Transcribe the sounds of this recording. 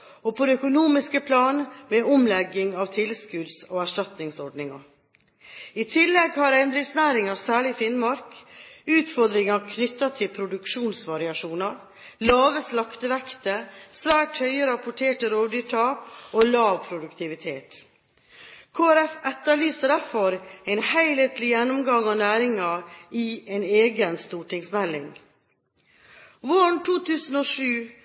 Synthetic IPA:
opʰod̪ɛœkʊnuːmɪskəpʰlɑːnmeɔmlɛɡːɪŋɑːʋt̪ʰɪlskʉd̪soːæʂʈɑt̪nɪŋsɔɖnɪŋɑ̰ | it̪ʰɪlːɛɡhɑɾɛnd̪ɾɪsnæːɾɪŋɑsæːɭɪfɪnmɑɾkʉːt̪fɔɾd̪ɾɪŋɑkʰnʏt̪ːɑt̪ʰɪlpʰɾʊd̪ʉkʂuːnsʋɑɾɪɑʂuːnɑɾ | lɑːʋəslɑkt̪əʋɛkt̪əsʋæːʈhœʏəɾɑpʊʈʰeːʈəɾoːdɖʏʈ̪ʰɑːpoːlɑːʋpʰɾʊd̪ʉkt̪ʰɪʋɪt̪ʰeːt̪ | kʰoːæɾɛfɛt̪ːəɭyːsəɖæɾfɔɾɛɪnhæɪleːt̪lɪjɛnːʊmɡɑŋɑnæːɾɪŋɑiɛneːɡənst̪uːʈɪŋsmɛlːɪŋ | ʋoːɳt̪ʰuːt̪ʰʉːsn̩oːʂʉː

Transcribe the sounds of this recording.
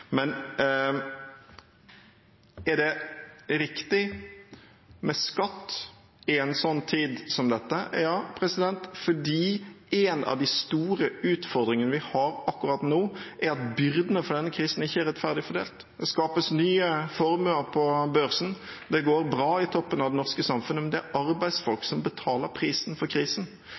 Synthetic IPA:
mɛn | ɛɖɛɾɪkt̪ɪ | mɛskɑt̪ː | ɪɛɪnsɔnːt̪ʰiːd̪sɔmd̪ɛt̪ːəjɑːpʰɾɛsɪd̪ɛnt̪fɔɖiːeːnɑ̰ʋd̪ɪst̪uːɾəʉːt̪fɔɾd̪ɾɪŋənəʋɪhɑɾɑkːʉɾɑt̪noːʔæɾɑt̪bʏɾd̪ənəfɔɖ̪ɛnːəkʰɾiːsn̩ɪçːəæɾɛt̪fæʁd̪ɪfɔɖ̪ḛːlt̪ | d̪ɛskɑːpəsnyːəfɔɾmʉləɾpʰɔbœɾsn̩ | d̪ɛɡoːɾbɾɑːɪt̪ʰɔpːənɑʋd̪ɛnɔʁskəsɑmfʉnːəmɛnd̪ɛæɾʔɑɾbæɪd̪sfɔlksɔmbət̪ʰɑːləɾpʰɾiːsnfɔɾkʰɾiːsn̩

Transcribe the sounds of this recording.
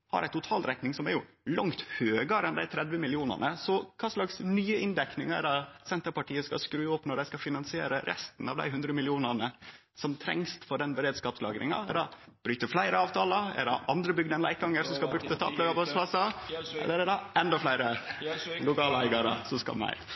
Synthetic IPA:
hɑ̰ɾʔæɪt̪ʊt̪ʰɑːlɾɛt̪nɪŋsɔmæɾjʊ | lɑŋt̪høːɡəɾɛnd̪æɪt̪ʰɾɛd̪ʋəmɪlɪuːnə̰nəsɔkʰɑːslɑksnyːəʔɪnd̪ɛknɪŋæ̰ɾɑt̪sɛnt̪əɾpɑʈiːəskɑ̰skɾʉːɔpːnɔɖæɪskɑfɪnɑnsɪeːɾəɾʔɛ̰st̪ən̩ɑ̰ʋd̪æ̰ɪɦʉnd̪ɾəmɪlɪuːnəɳə | sɔmt̪ʰɾɛ̰ŋst̪fɔɖɛnbəɾeːd̪skɑːpslɑ̰ːɡɾɪ̰ŋɑ̰ɛɖɑ | b̥ɾyːt̪əflæɪɾəɑːʋt̪ʰɑːləɛ̰ɖɑʔɑnd̪ɾəbʏɡd̪ɛnæ̰ɪk̚ɡɑŋːəɾsɔmskɑlbɾʉt̪ət̪ʰɑ̰ːpløːɡɑbɑspʰlɑsɑɛ̰lːəɾɛɖɑɛnd̪ɔflæɪɾə | lʊkɑːləæɪɡɑɾə̰sɔskɑ̰lmæ̰ɪ

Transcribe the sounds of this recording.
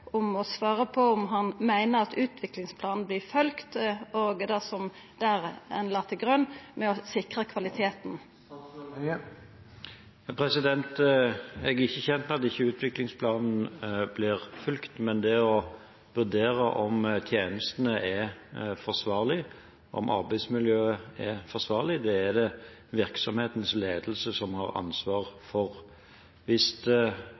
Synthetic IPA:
ʔʊmɔsʋɑːɾəpʰɔʊmɦɑnmæɪnəʁɑt̪ʉːt̪ʰʋɪklɪŋspʰlɑːnn̩blɪfœlkt̪oːɡd̪ɛsɔm | d̪̥æʁɛ̰nlɑːt̪əɡʁœnmɛɔsɪkʁəkʰʋɑlɪt̪ʰeːt̪n̩ | pʰɾɛsɪd̪ɛnt̪ | ɛɡɪçːəçɛnt̪mɛɑt̪ɪçːəʉːt̪ʰʋɪklɪŋspʰlɑːnn̩blɪʁfʉlkt̪mɛnd̪ɛɔ | ʋʉd̪eːɾəʔɔmt̪ʰjeːnəst̪ənəʔɛfɔsʋɑːʁlɪ | ɔ̰mʔɑ̰ɾbæɪsmɪljøːəɛfɔsʋɑːʁlɪd̪ɛæd̪ɛ | ʋɪɾksɔmheːt̪n̩sleːd̪əl̩səsɔmhɑʁɑ̰nsʋɑːʁfɔʁ | ʋɪst̪

